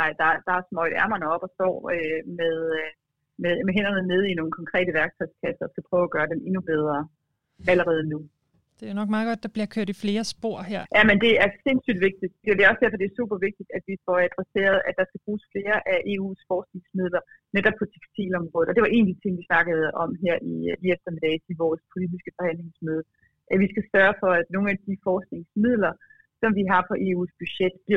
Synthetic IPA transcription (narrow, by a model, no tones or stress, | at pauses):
ɑ̈ɪd̥ɑ̈d̥ɑ̈smɒɪdæɐmɐnəɒ̽b̥ɒsd̥ɒ̰ːømeðˠ | memeɦen̰ɐnəneð̞ˠino̝ːn̩kʰɒ̽ŋkʰʁɛ̰ːɾəʋæɐɡ̥̚t͡sʰɒ̥skʰæsəɒsɡ̥æpʰʁœːʊæɡ̥ɶːɐd̥eme̝nub̥eð̞ˠʁɐ | æləʁɛːð̞ˠnu | d̥e̝jonɒ̽ɡ̥mɑ̈ːðˠɡ̥ɒ̽d̥̚ːɑ̈b̥liɐkʰøɐ̰d̥ifle̝ːɐsb̥o̝ɐ̰hæɐ̰jæmend̥e̝æɐse̝nsy̰ːd̥ʋe̝ɡ̥̚d̥id̥d̥e̝d̥e̝ɒ̽sd̥æɐfɒ̽d̥e̝æsuːb̥ɐʋe̝ɡ̥̚d̥id̥æd̥ʋifɒæd̥ʁɛse̝̰ːɐðˠæd̥ɑ̈sɡ̥æb̥ʁuːsfle̝ːɐʔæʔe̝ːṵːsfɒːsne̝ŋsmið̰ˠlɐneɾ̥ɒb̚pʰɒ̽t͡sʰe̥ɡ̥stʰḭːlɒ̽mʁɔːð̩ˠɒd̥e̝ʋɑʔe̝̰ːnd̥it͡sʰe̝ŋ̰ʋisnɑ̈ɡ̥əð̩ˠɒ̽mɦæɐ̰iiefd̥ɐmed̥ɛːiʋɒːspʰo̝lid̥isɡ̥əfɒ̽hæn̰le̝ŋsmøð̩ˠ | ʔæʋisɡ̥æsɶːɐfɒ̽æd̥no̝ːn̩æd̥ifɒːsne̝ŋsmið̰ˠlɐ | sɒ̽mʋiɦɑ̈pʰɒ̽ʔe̝̰ːṵːsb̥yɕed̥b̥liɐ